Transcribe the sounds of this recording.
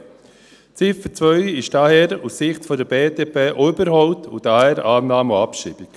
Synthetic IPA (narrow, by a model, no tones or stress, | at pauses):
t͡sɪfət͡svœʏɪʃd̥ɑhɛːɾusːɪχtfɔdəɾbeːdeːpʰeːʔʏbəɾhɔʊt̪ʰudahɛːɾaːnːaːmuapʃḭːb̥ik